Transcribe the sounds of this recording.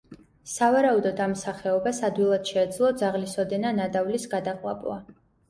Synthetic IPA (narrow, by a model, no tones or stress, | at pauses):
savaɾaud̪ɔd̪amsaχɛɔbasad̪wilˠad̪̥ʃɛːd̪zlˠɔd̪zaʁlisɔd̪ɛnanad̪avlisɡad̪aqʼwa̰bʼwa̰